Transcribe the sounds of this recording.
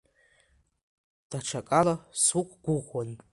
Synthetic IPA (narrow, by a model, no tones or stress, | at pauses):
d̥aʈ͡ʂʰakʼalasukʷʼɡ̥ʷʊʁwan